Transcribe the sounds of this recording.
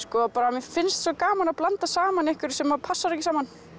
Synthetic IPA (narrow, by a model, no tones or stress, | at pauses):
skɔːapaːɾamɛfɪnst̪sɔkaːmanaðplant̪asaːmanɛhkvʏɾ̥sɛmːaðpʰasːaðɛhcɪsaːman